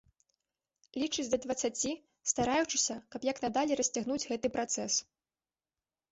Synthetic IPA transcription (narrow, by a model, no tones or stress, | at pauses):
lʲit͡ʂɨd͡zʲd̪ɐd̪vɐt̪sat͡sʲi | st̪aɾajut͡ʂɨ̥sʲɐkɐpjɐknad̪alʲɛɾɐsʲt͡sʲaɣnud͡zʲɣɛt̪ɨpɾat̪sɛs